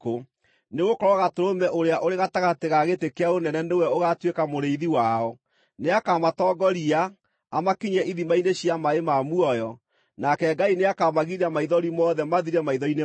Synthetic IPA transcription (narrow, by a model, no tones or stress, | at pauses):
o | neɣokɔɾɔɣatoɾomɛʔoɾeaʔoɾeɣataɣateɣaɣetekeaonɛnɛnewɛoɣatwekamoɾeiðiwaɔ | neakamatɔːɡɔɾiaː | makiɲɛʔiðimaineɕjamaemamuɔjɔ | nakɛɡaineakamaɣiɾamaiðɔɾimɔðɛmaðiɾɛmaiðɔine